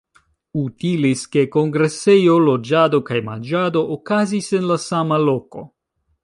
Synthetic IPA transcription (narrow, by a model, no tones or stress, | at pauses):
utiliske̞ko̞ŋɡɾe̞se̞jo̞lo̞d͡ʒado̞kajma̰nd͡ʒado̞ʔːkazise̞nlasamalo̞ko̞̰